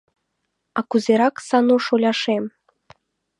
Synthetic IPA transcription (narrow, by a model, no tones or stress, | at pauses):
ɑkuzʲeɾɑksɑnuʃolʲɑʃem